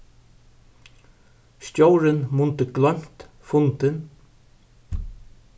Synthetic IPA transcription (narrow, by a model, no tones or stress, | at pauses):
stjowɾɪnmʊnt̪ɪɡlœm̥t̪ | fʊnt̪ɪn